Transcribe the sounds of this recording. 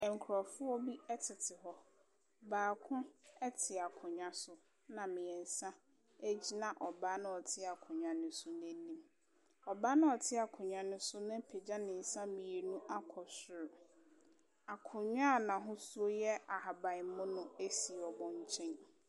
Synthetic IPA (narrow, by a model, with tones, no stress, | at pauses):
ɛ˨ŋ˨kʰɾɔ˨fʊ˦ɔ˦bi˦ɛ˦tʰɪ˨tʰɪ˨ɦɔ˦ | baː˨kʰʊ̃˦ɛ˦tʰɪ˨a˨kʰʊ̃˨ɲᶣã˦sʊ˨ | nã˨mɪ̃˨ɛ˨n̩˨sã˦ | æ˦d͡ʑi˦nã˨ʔɔ˨baː˦nʊ̃˦ɔ˨tʰɪ˦a˨kʰʊ̃˨ɲᶣã˨nʊ̃˦sʊ˦nɛ̃˦n˦nĩ˦m | ɔ˨ba˦nʊ̃˦ɔ˨tʰɪ˦a˨kʰʊ̃˨ɲᶣ˨ã˨nʊ̃˦sʊ˦nʊ̃˦pʰe˨d͡ʑã˦nɪ̃˨n̩˨sã˦mɪ̃˨e˨nũ˦ʔa˦kʰɔ˨sʊ˨ɾʊ˨ | a˨kʰʊ̃˨ɲᶣã˦˨nã˨ɦʊ̃˦su˦o˦jɛ˦a˨ha˨ba˨m˦mʊ̃˦nʊ̃˦e˦si˨ɔ˨bɔ̃˨ɲ˦t͡ɕʰɛ̃˦n